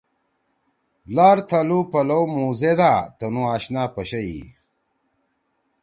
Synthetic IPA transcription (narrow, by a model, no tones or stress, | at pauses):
laːɾt̪ʰɐlupɐlɐwmũːzed̪aːt̪ɐnũaːɕnaːpɐɕɐḭ